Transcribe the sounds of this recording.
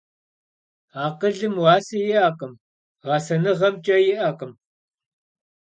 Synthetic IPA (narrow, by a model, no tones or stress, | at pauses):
aːqəɮɨmwɑːsɐjɪʔaːqʼɨm | ʁɑsɐnɨʁɐmt͡ʃʼɐjɪʔɐqʼəm